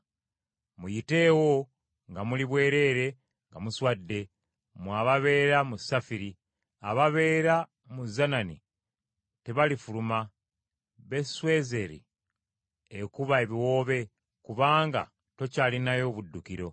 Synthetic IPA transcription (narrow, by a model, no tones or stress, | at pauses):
mujite̞ːwo̞ | ŋɡamuliβwe̞ːɾe̞ɾe̞ | ŋɡamuswadːe̞ | mwaβaβe̞ːɾamusafiɾi | aβaβe̞ːɾa | muzanani | te̞βalifuluma | βe̞swe̞ːze̞ɾḭ | ekuβae̞βiwo̞ːβe̞ | kuβaːŋɡa̰ | to̞caːlinajo̞βudːukiɾo̞